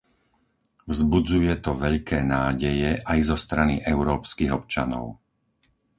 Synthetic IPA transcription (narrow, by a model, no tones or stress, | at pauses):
vzbud͡zujɛt̪ɔʋɛʎkɛːnaːɟɛjɛʔajzɔst̪ɾaniʔɛʊɾɔːpskiɣɔpt͡ʃa̰nɔ̰ʊ